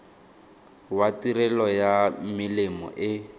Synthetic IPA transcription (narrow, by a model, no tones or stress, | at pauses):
watiɾɛlɔjamɪlɪmɔ̰ʔɪ